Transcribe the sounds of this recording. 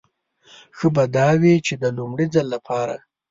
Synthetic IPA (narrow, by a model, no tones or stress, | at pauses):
xəbad̪ɑwit͡ʃed̪əlʊmɽid͡zalːapʰɑɾa̰